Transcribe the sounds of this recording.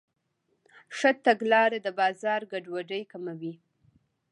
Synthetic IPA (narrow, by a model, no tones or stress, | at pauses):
ʂət̪aɡlɑɾad̪əbɑzɑɾɡaɖwaɖəjkamawi